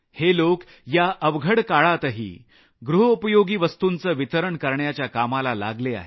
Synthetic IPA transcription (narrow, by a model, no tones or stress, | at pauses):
helok | jaʔəʋɡʱəɽkaɭat̪əɦḭː | ɡɾuɦəupəjoɡiːʋəst̪unt͡səːʋit̪əɾəɳkəɾɳjat͡ɕjakamalala̰ɡlea̰ɦe